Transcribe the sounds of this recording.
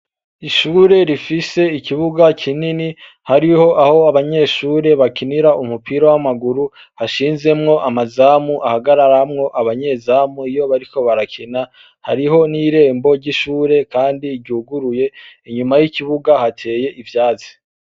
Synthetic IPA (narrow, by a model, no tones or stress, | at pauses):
iʃuːɾe̞ɾifise̞iciβuɡakʰinini | haɾiho̞ʔaho̞aβaɲe̞ːʃuːɾe̞βakiniɾaumupʰiɾowamaɡuɾu | haʃiːnze̞mŋo̞ʔamazamuʔahaɡaɾaɾamŋo̞ʔaβaɲe̞zamuijo̞βaɾiko̞βaɾakʰina | ha̰ɾiɦo̞niɾe̞ːmbo̞ɾɟiʃuːɾe̞kaːndiːɾɟuːɡuɾuje̞iɲumajiciβuɡahatʰe̞ːje̞ʔivjaːzi̥